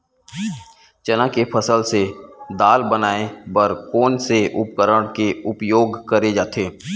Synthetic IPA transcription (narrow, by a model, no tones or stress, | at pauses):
t͡ʃənãkepʰəsəlsed̪aːlbənaːebəɾkoːnseʔʊpkəɾəɽ̃keʊpjoːɡkəɾed͡ʒaːt̪ʰeː